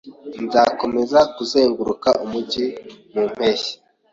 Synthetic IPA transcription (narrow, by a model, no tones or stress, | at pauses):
nzaːko̞me̞zakuzeːŋɡuɾukaʔumuɟimum̥he̞çe̥